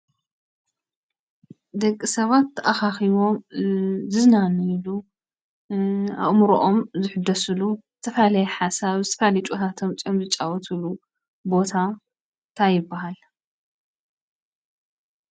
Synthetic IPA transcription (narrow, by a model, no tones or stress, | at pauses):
d̪ɐkʼːisɐβat̪ʰːɐʔaxaxiβo̞m | zɨznanilu | a̰βmuɾoʔomzɨħɨd̪ɐsɨluzɨt̪ʰɐflɐjɛħasaβzɨt̪ʰɐ̥fɐjalɐt͡ʃʼut̪ʰat̪ʰo̞mt͡sʼiomzɨt͡ʃʼːawɔt̪ʰulu | bo̞t̪ʰa | t̪ʰajɪbːaɦal